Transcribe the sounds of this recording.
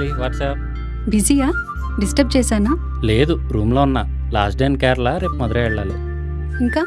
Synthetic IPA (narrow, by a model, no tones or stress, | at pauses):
iʋaːʈsɐp̚ | bid͡ʒijaː | ɖisʈɐp̚t͡ʃɛːsaːna | le̞ːd̪uɾuːmloːunːɐ | laːsɖejnkaːɾlaɾeːpmɐd̪ɐɾeːɛɭːaːlṵ | iŋkaː